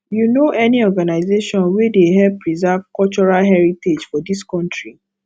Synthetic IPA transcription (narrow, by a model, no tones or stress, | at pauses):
junoʔɛniɔɡanaɪzeʃɔ̃nwɛdeɦɛvpɹizɛvkɔlt͡ʃɔɹalɦɛɹited͡ʒfɔdiskɔ̃ntɹi